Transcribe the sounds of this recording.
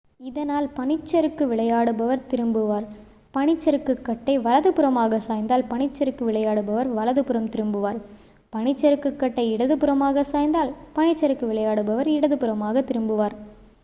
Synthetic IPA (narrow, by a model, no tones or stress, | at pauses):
ɪðɐnaːlpɐɳɪt͡ʃːɐɾɯkːɯʋɪɭɐjaːɽɯbɐʋɐɾt̪ɪɾɯmbɯʋaːɾ | pɐɳɪt͡ʃːɐɾɯkːɯkːɐʈːɐɪʋɐlɐðɯpɯɾɐmaːɣɐsaːjnd̪aːlpɐɳɪt͡ʃːɐɾɯkːɯʋɪɭɐjaːɽɯbɐʋɐɾʋɐlɐðɯpɯɾɐmt̪ɪɾɯmbɯʋaːɾ | pɐɳɪt͡ʃːɐɾɯkːɯkːɐʈːɐɪɪɽɐðɯpɯɾɐmaːɣɐsaːjnd̪aːlpɐɳɪt͡ʃːɐɾɯkːɯʋɪɭɐjaːɽɯbɐʋɐɾɪɽɐðɯpɯɾɐmaːɣɐt̪ɪɾɯmbɯʋaːɾ